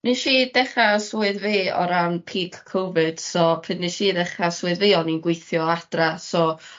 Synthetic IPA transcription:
niʃiːdɛχasuɨðveːɔ̰ɾampʰiːkʰkʰowvɨd̥sɔpʰɪnːiʃiːðɛχaswɨðveːɔninɡwɪjθjɔad̥rasɔ

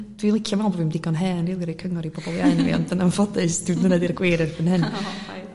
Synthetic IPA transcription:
d̥winlˠɪkʰjavɛlˠbɔvimdɪɡɔnɦɛːnriːlˠəɾikʰəŋɔɾib̥ɔbɔlˠjaɨnvḭɔ̰ndənanfɔdɨsd̥udnənɛdiɾɡwejɾɛrpʰənhɨn

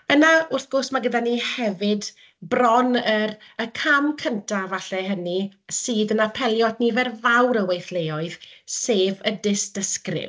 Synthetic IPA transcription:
b̥ənaʊrθɡ̥ɔrsmaɡədaniːhɛvɪd | brɔnəɾəkʰamkʰəntʰavaɬɛɦənisiːdənapʰɛlˠjɔdnivɛrvawɾəwejθlˠejɔɨð̥seːvədɪsd̥əskrɪ̰v

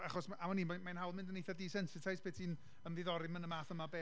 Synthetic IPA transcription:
aχɔsamaniːmamajnɦawlˠmɪ̃ndənejθadiːsɛnsɪtʰajspʰeːtʰiːn | əmðɪðɔɾɪmənəmaːθəmabeː

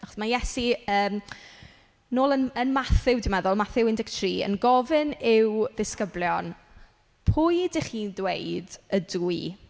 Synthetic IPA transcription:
naχɔ̥smajɛsiəːm | noːlˠənənmaθɪwdɪmɛðʊlˠmaθɪwɪndɪɡtʰriːə̰nɡɔvɪnɪwðɪskəbljɔn | pʰuːjdɪχiːndwejdəduji

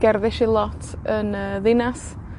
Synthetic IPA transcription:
ɡ̥ɛrðɪʃilˠɔtʰənəːðɪnas

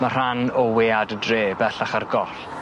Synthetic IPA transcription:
mar̥anɔweːadədreːbɛɬaχarɡɔɬ

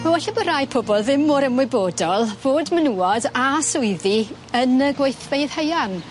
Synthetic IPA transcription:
mawɛɬɛbɔɾajpʰɔbɔlˠðɪmːoːɾəmwɪboːdɔlˠvoːdmənuːɔdasʊɨði | ənəɡwejθv̥eɨð̥həjan

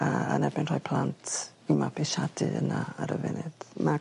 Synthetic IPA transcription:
aa̰nɛbɪnrɔjpʰlˠantʰ | imapʰiʃadɨənaaɾəvɪnɨd̥ma

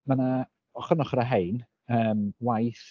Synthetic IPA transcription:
mana | ɔχənɔχəɾaɦejn | əːmwajθ

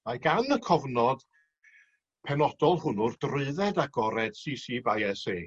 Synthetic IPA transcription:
maɡanəkʰɔvnɔd̥ | pʰɛnɔd̥ɔlˠhʊnʊrd̥rɨɨðɛdaɡɔɾɛd̥siːsiːbajɛseː

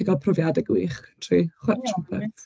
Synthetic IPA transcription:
ɪɡɔpʰrɔvjadɛɡwiːχʰtʰriχwɛtʰrɔpʰɛ̰

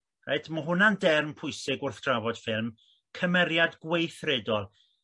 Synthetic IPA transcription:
rejdmɔɦʊnandɛrmpʰʊjsɪɡʊrθd̥ravɔd̥fɪlˠm | kʰəmɛɾjadɡwejθrɛdɔlˠ

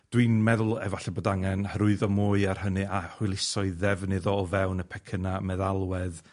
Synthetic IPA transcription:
d̥wiːnmɛðʊlˠɛvaɬɛboːdaŋɛnhɾʊɨðɔmʊːɨar̥hənɨahʊɨlˠɪsɔɨðɛvnɨðɔːvɛwnəpʰɛkʰənamɛðalˠwɛð

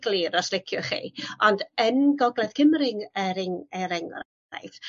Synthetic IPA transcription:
ɡlˠiɾɔslˠɪkʰjʊχḭːɔndənɡɔɡlˠɛdkʰɪmɾɪŋɛɾɪŋɛɾɪŋɔ̰ɾ | a̰jf

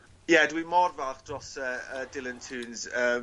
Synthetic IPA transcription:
jɛdwimɔrvalˠχd̥rɔsəːəːdɪlˠəntʰuːnzəː

